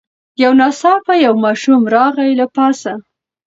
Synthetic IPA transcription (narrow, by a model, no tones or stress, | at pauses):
jawnɑsɑpajawmɑʃumɾɑɣajlapɑsa